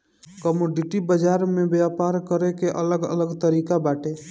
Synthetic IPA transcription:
kəmoɖiʈibəd͡ʒaɾmẽbjapaɾkəɾekeʔələɡə̰ləɡt̪əɾiːkabaːʈe

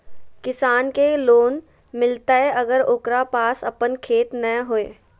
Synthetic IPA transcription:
kɪsaːnkeloːn | mɪlt̪aɦɛʔɐɡəɾoːkɾapaːsɐpənkʰeːt̪nəɦoːeː

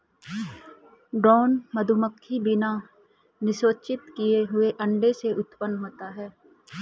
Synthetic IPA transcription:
ɖɔːnməd̪ʱuməkʰːibɪna | nɪsoːt͡ʃɪt̪kijeɦʊeʔɐ̃ɳɖeseʔʊt̪pənɦoːt̪aɦɛː

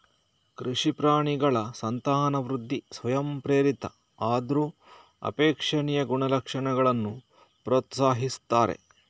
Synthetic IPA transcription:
kɾiʂipɾaːɳiɡɐɭɐsɐnt̪aːnɐʋɾud̪ʱːisʋɐjɐmpɾeːɾit̪ɐ | aːd̪ɾuː | ɐ̰peːkʂɐɳijɐɡuɳɐlɐkʂɐɳɛɡɐɭɐnːu | pɾoːt̪saːɦist̪aːɾe̞̰

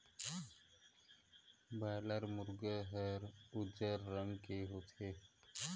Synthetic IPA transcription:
bajləɾmuɾɡəɦəɾud͡ʒəɾːəŋkeɦot̪ʰe

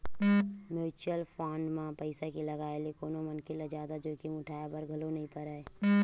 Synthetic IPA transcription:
moːt͡ʃəlpʰãːɳɖmãpəɪsakiləɡaːelekoːnomənkeləd͡ʒaːd̪ad͡ʒoːkimʊ̃ʈʰaːjabəɾɡʱɐlonɐɦĩpəɾaːe

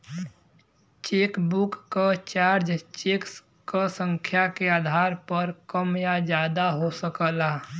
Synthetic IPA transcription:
t͡ʃeːkbukːat͡ʃaːɾd͡ʒt͡ʃeːks | kəsə̃ŋkʰjakeaːd̪ʱaːɾpəɾkəmjad͡ʒjaːd̪aɦosəkəla

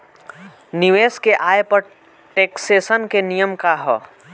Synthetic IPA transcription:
niʋeːskeʔaːjepəɾ | ʈeːkseːsənkenijəmkaɦɔː

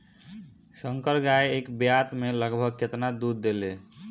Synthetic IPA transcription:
səŋkəɾɡaeekbjat̪meləɡbʱəɡ̚ket̪nad̪uɾd̪ele

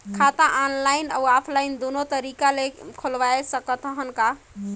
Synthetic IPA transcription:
kʰat̪ãʔanlajna̰wapʰlajnd̪onot̪əɾikalekʰolʋajsəkət̪əɦənka

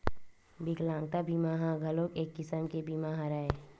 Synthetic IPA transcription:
bɪklãːŋɡ̚t̪abʱiːmaɦãɡʱɐloːkeːkːɪsəmkebʱiːmaɦãɾɐɦe

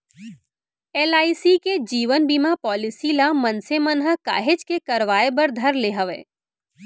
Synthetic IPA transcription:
eːlaːisiked͡ʒiːʋənbiːmapɔːlɪsilamɐnsemənɦəka̰ːɦed͡ʒkekɐɾʋaːebəɾd̪ʱɐɾleːɦəʋḛː

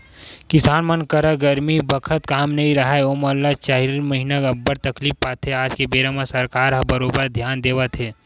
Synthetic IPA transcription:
kɪsaːnmɐnkəɾəɡɐɾmibəkʰət̪̚kaːmnɐĩɾɐɦaeoːməlːat͡ʃaːɦiɾmɐɦɪnəɡɐbːəɾt̪ɐkliːfpaːt̪ʰːeaːd͡ʒkebeːɾəmasɐɾkaːɾɦɐbɐɾoːbəɾd̪ʱjaːnd̪eːʋat̪ʰeː

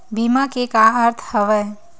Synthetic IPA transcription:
bimakekaəɾt̪ʰhəʋəj

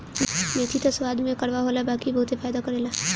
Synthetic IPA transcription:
meːt̪ʰit̪oswaːd̪mẽkɐɾʋaɦoːlabaːkibɐɦʊt̪efaːd̪akɐɾeːlaː

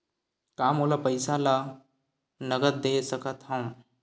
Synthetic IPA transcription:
kaːmolapəɪsala | nəɡət̪̚d̪esəkət̪ɦə̃ũ

